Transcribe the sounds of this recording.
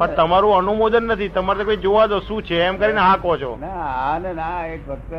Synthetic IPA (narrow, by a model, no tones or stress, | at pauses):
pəɾt̪əmaɾũənumod̪ənːət̪ʰit̪əmaɾnekoid͡ʒoʋad̪oʃũt͡ʃʰeɛmkəɾineɦãkot͡ʃʰo̰naannaekbə